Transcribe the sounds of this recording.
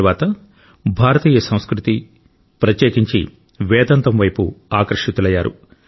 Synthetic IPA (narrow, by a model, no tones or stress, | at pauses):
ʋaːt̪ɐ | bʱaːɾɐt̪iːjɐsɐ̃w̃skɾut̪i | pɾɐt̪jeːkiɲt͡ʃḭ | ʋɛːd̪ɐnt̪ɐmʋɐjpṵaːkɐɾɐʂit̪ulɐjːaːɾṵ